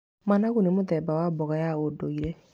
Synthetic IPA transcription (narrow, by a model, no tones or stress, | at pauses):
manaɣunemotɛbawabɔɣajaodoiɾɛ